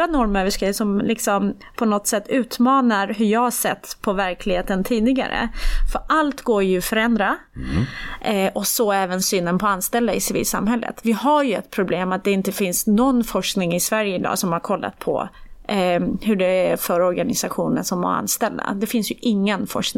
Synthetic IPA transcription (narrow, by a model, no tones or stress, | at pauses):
ɾanɔɾməɾvɪskasɔmlɪksɔm | pʰɔnɔt̪ːsɛt̪ːʉ̟ːt̪mɑːnaɾɦɵjɑːhaʂɛt̪ːpʰɔvæɾklɪɡheːt̪ənt̪ʰiːd̪ɪɡa̰ɾə̰fœɾʔalt̪ɡoːɾjɵfœɾɛnd̪ɾa | ʔʔɔsɔɛːvənsyːnːənpʰɔanst̪ɛld̪aɪsɪvḭːlsa̰mɦɛlːə̰t̪vɪɦaɾjɵɛt̪̚pʰɾʊbleːmat̪̚d̪ɛɪnt̪əfɪnsnɔnːfɔʂknɪŋɪsvæɾjəɪd̪ɑ̰ːsɔmhaɾkʰɔlːa̰t̪̚pʰɔ̰ | hɵɖɛæɾfœɾɔɾɡanɪsaɧuːnənsɔmva̰ɾa̰nst̪ɛld̪a̰d̪ɛfɪnsjɵʔɪŋːənfɔʂknɪ